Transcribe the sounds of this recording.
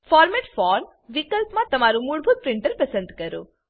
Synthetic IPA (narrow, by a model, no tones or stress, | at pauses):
fɔɾmɛʈfɔɾm | ʋikəlpmãt̪əmaɾũmuɭbʱut̪̚pɾɪɳʈəɾpəsə̃nd̪kəɾo̰